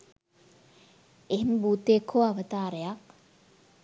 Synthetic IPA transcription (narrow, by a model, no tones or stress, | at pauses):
eɦembuːt̪eːkʰoaʋət̪aːɾəjak